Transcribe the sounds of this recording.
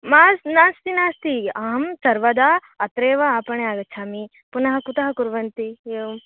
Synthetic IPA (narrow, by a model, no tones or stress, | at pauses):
maːsnaːst̪inaːst̪iaːɦɐmsɐɾʋɐd̪aː | ɐt̪ɾeːʋɐaːpɐɳeaːɡɐt͡ʃʰaːmi | punɐɦɐkut̪ɐɦɐkuɾʋɐnt̪iem